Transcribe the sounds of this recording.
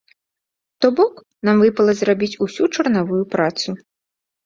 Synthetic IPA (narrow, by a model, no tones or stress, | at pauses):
t̪ɔbɔk | namvɨpɐlˠɐzrabʲit͡sʲusʲut͡ʂɐrnavujupɾat̪su